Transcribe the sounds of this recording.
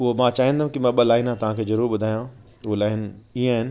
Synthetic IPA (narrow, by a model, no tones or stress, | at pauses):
ʊɦomãːt͡ɕaːɦĩnd̪aũkimãɓɐlaːɪnãt̪ɐʋ̤ãkʰeːzɐɾuːɾɓʊd̪ʱaːjã | ʊɦolaːɪnĩaːɦɪnɪ̆